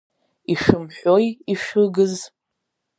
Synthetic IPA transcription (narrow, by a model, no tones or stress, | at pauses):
iʂɨmħʷo̞jiʂɨɡɨz